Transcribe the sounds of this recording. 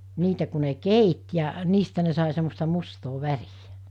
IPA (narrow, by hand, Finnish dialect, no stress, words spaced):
niːtæ ku ne keit jɑ niːstæ ne sɑˑe semːostɑ mustoː ʋærijæ̥